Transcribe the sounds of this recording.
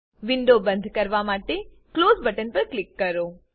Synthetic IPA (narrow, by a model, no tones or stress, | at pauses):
ʋɪɳɖobə̃nd̪ʱkəɾʋamaʈe | klozbəʈənpəɾklɪkːəɾo